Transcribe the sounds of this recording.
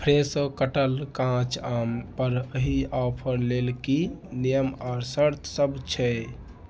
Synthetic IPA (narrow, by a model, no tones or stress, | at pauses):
pʰɾesəkəʈəlkãt͡ʃampəɾəɦiɔpʰəɾlelkinijəmaɾsəɾt̪ʰsəbt͡ʃʰɛ